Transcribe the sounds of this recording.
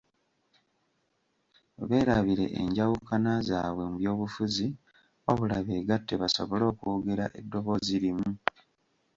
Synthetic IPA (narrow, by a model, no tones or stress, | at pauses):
βe̞ːɾaβiɾe̞̰ʔḛɲɟawukanazaːβwe̞muβjo̞ːβufuzi | o̞̰βulaβe̞ːɡatːe̞βaso̞βo̞lo̞ːkuoɡe̞ɾaʔe̞dːo̞βo̞ːziɾimu